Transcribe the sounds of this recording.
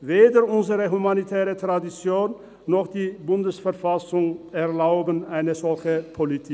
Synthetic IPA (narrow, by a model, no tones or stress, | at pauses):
veːdəɾʊnzəʁəɦumanit̪ʰɛːʁət̪ʁad̪ɪt͡sjoːn | nɔχd̥̪iːbʊndəsfɛʁfasʊŋɛʁlaʊbənaɪnəzɔlçəpʰɔlit̪ʰi